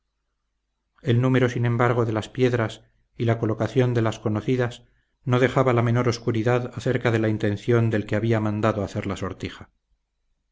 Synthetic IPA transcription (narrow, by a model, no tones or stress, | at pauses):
e̞lnume̞ɾo̞sinẽ̞mbaɾɣ̞o̞ðe̞laspje̞ðɾas | ilako̞lo̞kaθjo̞nd̪e̞lasko̞noθiðas | no̞ðe̞xaβalame̞no̞ɾo̞skuɾiðaðaθe̞ɾkaðe̞laint̪ẽ̞nθjo̞nd̪e̞lkeaβiamãnd̪aðoaθe̞ɾlaso̞ɾt̪ixa